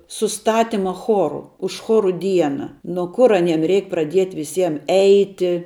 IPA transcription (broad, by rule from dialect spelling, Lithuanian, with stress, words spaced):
sʊˈstɑːtʲɪmɐ ˈxoːrʊ ʊʃ ˈxoːrʊ ˈdʲiɛnɐ noː ˈkʊr ɐˈnʲiɛm ˈrʲɛɪk prɐˈdʲiɛtʲ ʋʲɪˈsʲiɛm ˈɛɪtʲɪ